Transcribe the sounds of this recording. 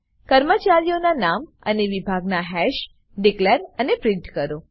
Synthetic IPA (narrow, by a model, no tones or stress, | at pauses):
kəɾmət͡ʃaɾijonanam | ə̰neʋibʱaɡnaɦɛʃ | ɖikleɾənepɾɪ̃ɳʈkəɾo